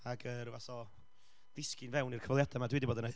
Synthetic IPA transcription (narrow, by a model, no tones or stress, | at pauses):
aɡərvaθɔ | dɪskɪnvɛwnirkʰəvɔlˠjadamadwidiboːdəne